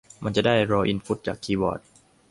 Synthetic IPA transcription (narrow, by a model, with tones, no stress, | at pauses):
ma˧nt͡ɕa˨˩daː˥˩jɾɔː˧ʔi˧nfu˦˥t̪̚t͡ɕa̰ː˨˩kʰːiː˧˩bɔ̰ː˨˩t̪̚